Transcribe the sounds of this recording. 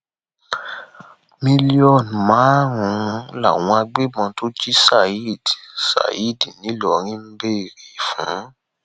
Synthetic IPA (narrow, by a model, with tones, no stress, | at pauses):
mĩ˧li˦ɔ˦˨n˨mãː˨˦ɾũ˨˦la̰˦˨w̃ɔ̃˧a˧ɡ͡be˦mɔ̃˧to˦d͡ʒi˦sa˦˨i˦˨dsa̰˨i˦˨di˨nĩ˨˦lɔ˨ɾ̃ĩ˦m̩˦be˦i˨ɾe˨fṵ̃˨˦